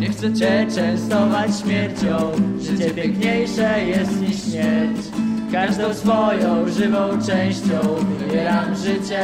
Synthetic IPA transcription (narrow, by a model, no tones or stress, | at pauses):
ɲɛxt̪sɛt͡ɕɛt͡ʂɛ̃w̃st̪ɔvat͡ɕɕmʲjɛɾt͡ɕɔ̃w̃ʐɘt͡ɕɛpʲjɛ̃ŋkɲejʂɛjɛst̪ɲiʂɕmʲjɛɾt͡ɕ | kaʐd̪ɔ̃w̃sfɔjɔ̃w̃ʐɘvɔ̃w̃t͡ʂɛ̃w̃ɕt͡ɕɔ̃w̃vɘbʲjɛɾamʐɘt͡ɕɛ